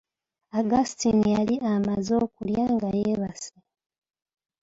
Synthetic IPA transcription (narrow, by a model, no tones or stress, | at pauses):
aɡasitinijaliʔamazo̞ːkuljaːŋɡajeːβase